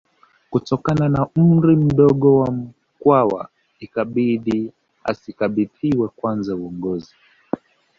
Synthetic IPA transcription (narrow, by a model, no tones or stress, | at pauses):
kutɔkananam̩ɾim̩ɗɔɠɔwam̩ | kwawa̰ | ikaɓiɗi | a̰sikaɓiðiwɛkwanzauɔŋɡɔzi